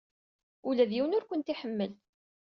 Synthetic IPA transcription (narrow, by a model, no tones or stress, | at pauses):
ulæðjiwənʊɾkʷənt̪iħəmːəl